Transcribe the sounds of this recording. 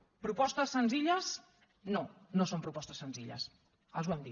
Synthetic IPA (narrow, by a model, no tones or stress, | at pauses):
pɾupɔst̪əsːənziʎəs | nonosompɾupɔst̪əsːənziʎə̰s | əlzβwɛmd̪i